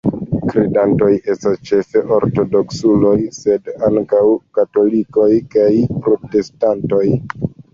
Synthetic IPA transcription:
kɾidanto̞je̞stast͡ʃe̞fe̞ʔo̞ɾto̞do̞ksulo̞jse̞daŋkawkato̞liko̞jkajpɾo̞te̞stanto̞j

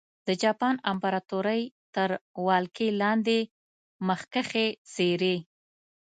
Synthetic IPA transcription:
d̪əd͡ʒɑpɑnampaɾɑt̪oɾəjt̪əɾwɑlkelɑnd̪e | məxkəxez̥eɾe

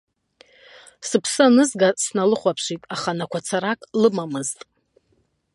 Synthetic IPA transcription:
sɨpʰsɨanɨzɡasnalɨχʷapʰʂitʼaχanakʷʰat͡sʰaɾakʼlɨmamɨztʼ

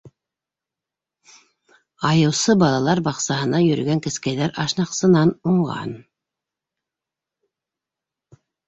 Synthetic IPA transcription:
ɑjɤ̆wsɤbɑlˠɑlˠɑɾbɑqsɑɦɤ̆nɑjɵ̆ɾɵ̰̆ɡæŋkɘ̆skæjðæɾɑʃnɑqsɤ̆nɑnuɴʁɑ̰n

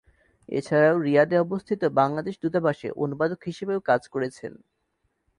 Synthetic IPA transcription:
ḛt͡ɕʰaɾaoɾiad̪eɔbost̪ʰit̪obaŋlad̪eʃd̪ut̪abaʃḛʔo̰nubad̪okɦiʃebeokad͡ʑkoɾet͡ɕʰḛn

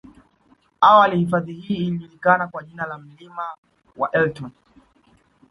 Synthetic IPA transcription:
awalihifaðihiːliʄulikanakwaʄinalam̩lima | wa̰ʔɛltɔn

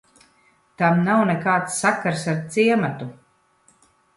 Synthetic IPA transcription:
t̪amnawnekaːt̪sːakːaɾsaɾt̪siɛmat̪u

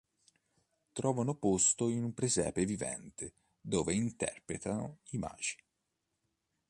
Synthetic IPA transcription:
t̪ɾɔːvanopost̪oinumpɾezɛ̰ːpevivɛ̰nt̪ɪ | d̪oːveint̪ɛ̰rpɾet̪ano̰ima̰ːd͡ʒi̥

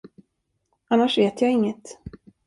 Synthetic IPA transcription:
anːaʂveːt̪jɑːɪŋːət̪

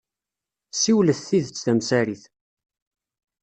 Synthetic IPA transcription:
siwləθθiðət͡sːðæmsæɾiθ

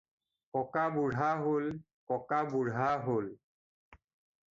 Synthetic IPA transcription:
kɔkabuɹɦaɦol | kɔkabuɹɦaɦol

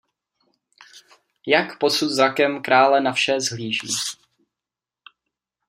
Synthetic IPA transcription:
jakpo̞sut̪zɾakɛmkɾaːlɛnafʃɛzɦliːʒḭː

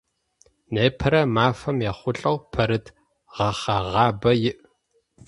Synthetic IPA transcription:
neːpʰɐɾɐmaːfɐmjɛχʷʊɬʼɐwpʰɐɾɨt | ʁɐχɐʁɑːbɐjɪʔ

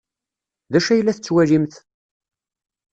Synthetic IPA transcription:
ðæʃæjəlːæθət͡sːwæʒimθ

